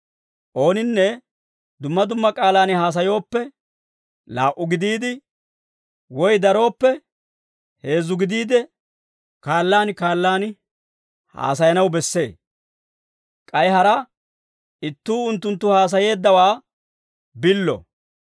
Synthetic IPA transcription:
ʔo̞ːnɪnːɛ | d̪ʊmːɐd̪ʊmːɐkʼaːlaːnhaːs̬ɐjo̞ːpːɛ | laːʔːʊɡɪd̪iːd̪ɪ | wɔjd̪ɐɾo̞ːpːɛ | he̞ːzʊɡɪd̪iːd̪ɛ | kaːlːaːnkaːlːaːn | ha̰ːsɐjɐnɐwbɛsːe̞ː | kʼɐjɦɐɾɐ | ɪt̪ːuːʊnt̪ːʊnt̪ːʊhaːs̬ɐje̞ːd̪ːɐwaː | bɪlːɔ̰

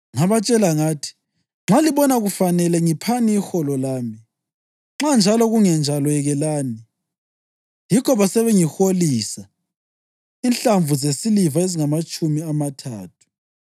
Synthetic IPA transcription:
ŋaβat͡ʃʼɛlaŋaːtʰi̥ | ŋ͡ǁaliβɔnaɣufanɛlɛŋipʰaniːxɔlɔlaːmi | ŋ͡ǁand͡ʒʱalɔɣuŋɛnd͡ʒʱalɔɛɣɛlaːni | jikʰɔβasɛβɛŋixoliːsa | inɬaɱvuzesilivaeziŋamat͡ʃʼumiamatʰa̰ːtʰu̥

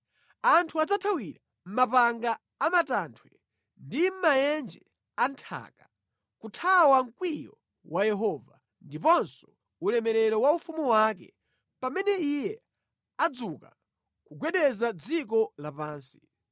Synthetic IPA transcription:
antʰuad͡zatʰawiɾa | m̩mapaŋɡaː | matantʰwɛ | ndim̩majɛnd͡ʒɛ | antʰa̰ːkḁ | kutʰawaŋ̩kwijɔ̰ | wʔajɛɦɔːva | ndip̬ɔnsɔ̥ | ulɛmɛɾɛɾɔwaufumuwak̬ɛ̰ | pamɛnɛijɛ | ad͡zuka̰ | kuɡwɛɗɛzad͡zikɔlapaːnsi̥

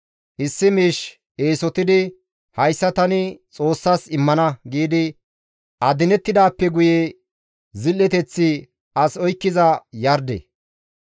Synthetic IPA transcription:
ʔɪsːɪmiːʃ | e̞ːsɔt̪ɪd̪ɪ | hɐjsːɐt̪ɐnɪt͡sʼo̞ːsːaːsɪmːɐnɐɡiːd̪ɪ | ʔɐd̪ɪnɛt̪ːɪd̪aːpːɛɡʊje | zɪlːɛt̪ɛt͡sːɪ | ʔɐsɔjkːɪzɐjɐɾd̪ḛ

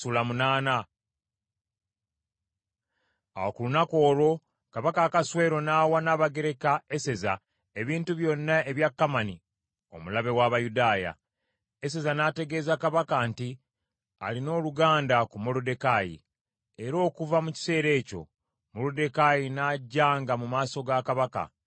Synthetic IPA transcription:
ulamunaːna | a̰wokulunako̞ːlo̞ | kaβakaːkaswe̞ːɾo̞naːwanaːβaɡe̞ɾe̞kae̞se̞za̰ | e̞βiːntuβjo̞nːaeβjakːamani | o̞̰mulaβe̞waβajudaːja̰ | e̞s̬e̞zanaːte̞ɡe̞ːzakaβakanti | a̰lino̞ːluɡaːndakumo̞lode̞kaːjḭ | e̞ɾo̞ːkuvamuci̥se̞ːɾe̞ːco̞̰ | molode̞kajinaɟːaːŋɡamumaːso̞ɡakaβaka̰

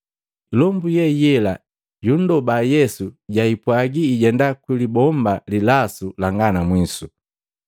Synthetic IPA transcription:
lɔmbujɛjɛla | jun̩dɔbajɛsuɟaipwaɡiːɟɛndakwilibɔmbalilasulaŋɡanamwisu

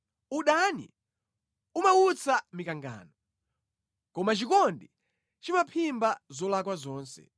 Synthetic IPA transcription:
uɗanḭ | umaut͡samikaŋɡa̰ːnɔ | kɔmat͡ʃikɔndi | t͡ʃimapʰimbazɔlakwazɔːnsɛ̰

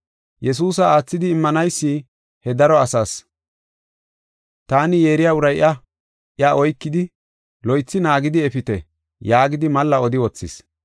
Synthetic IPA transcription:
jɛs̬uːs̬ɐaːt͡sːɪd̪ɪːmːɐnɐjsːi | hɛd̪ɐɾɔɐsaːs | t̪aːnɪje̞ːɾɪjaʊɾɐjʔɐ | ʔɪɐʔɔjkːɪd̪ɪ | lɔjt͡sːɪnaːɡɪd̪ɪɛfɪt̪ɛ | jaːɡɪd̪ɪmɐlːɐɔd̪ɪwɔt͡sːɪ̰s

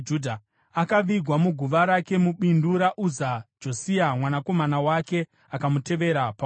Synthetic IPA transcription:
d͡ʒudʱa | akaʋiɡʱwamuɡʱuʋaɾake̞muɓinduɾaʔuzad͡ʒo̞siamwanako̞manawake̞ | akamute̞ʋe̞ɾapa

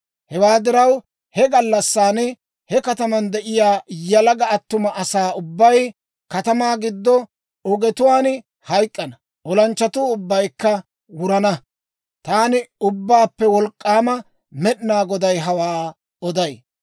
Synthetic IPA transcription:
hɛwaːd̪ɪɾɐw | hɛɡɐlːɐsːaːnɛ | hɛkɐt̪ɐmɐnd̪ɛʔɪjaːjɐlɐɡɐɐt̪ːʊmɐʔɐsaːʊbːɐj | kɐt̪ɐmaːɡɪd̪ːɔ | ɔɡɛt̪ʊwaːn | hɐjkʼːɐnɐ | ʔɔlɐnt͡ʃːɐt̪ʊʊbːɐjkːɐ | wʊɾɐnɐ | t̪aːnɪʊbːaːpːɛwɔlkʼːaːmɐ | mɛɗɪnaːɡɔd̪ɐjɦɐwaː | ɔd̪ɐj

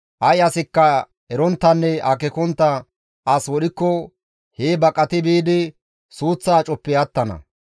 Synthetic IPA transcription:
ʔɐjɐsɪkːɐ | ɛɾɔnt̪ːɐnːɛʔɐkɛkɔnt̪ːɐ | ʔɐswɔɗɪkːɔ | heːbɐkʼːɐt̪ɪbiːd̪ɪ | suːt͡sːaːt͡ʃʼɔpːɪjɐt̪ːɐnɐ̰

